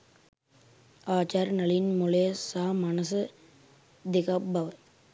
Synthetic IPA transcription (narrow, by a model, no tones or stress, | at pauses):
aːt͡ʃaːɾnɐlɪjɪnmʊleːsaːmɐnɐsɨ | d̪ɪkɐbɐʋɐ